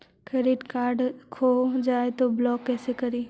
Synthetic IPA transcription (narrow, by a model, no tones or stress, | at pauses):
kɾeːɖiʈkaːɾɖkʰoːd͡ʒaːet̪oblɔːkːɛːsekɐɾiː